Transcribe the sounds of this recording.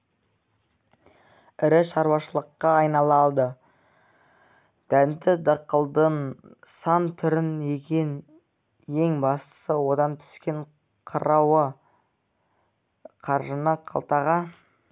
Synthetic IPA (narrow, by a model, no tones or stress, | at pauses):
ɪɾɪʃɑɾwɑʃəlˠəqːɑːjnɑlˠɑlˠd̪ə | d̪̥ænt̪ɪd̪ɑqəlˠd̪ən | sɑnt̪ʰʏɾɪne̞kʲe̞n | je̞ŋbɑst̪ə̥səwo̞d̪ɑnt̪ʰʏ̥skʲe̞ɴ | qʰəɾʔɑwə | qʰɑɾʒənəqʰɑ̰lˠt̪ɑʁɑ